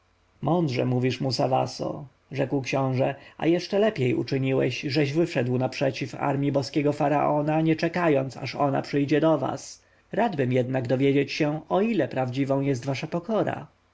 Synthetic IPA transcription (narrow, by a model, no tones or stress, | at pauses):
mɔnd̪ʐɛ̰muvʲiʂmusava̰sɔ̰ | ʐɛkwkɕɔ̃w̃ʐɛa̰jɛʂt͡ʂɛlɛpʲjɛjṵt͡ʂɘɲiwɛ̰ɕʐɛʑvɘfʂɛd̪wnapʂɛt͡ɕifa̰ɾmʲjibɔskʲɛɡɔfaɾa̰ʔɔnaɲɛt͡ʂɛkajɔnt̪sa̰ʂɔna̰pʂɘjd͡ʑɛd̪ɔva̰s | ɾad̪bɘmjɛd̪naɡd̪ɔvʲjed͡ʑet͡ɕɕɛɔilɛpɾavd͡ʑivɔ̃w̃jɛs̬t̪vaʂapɔkɔɾa̰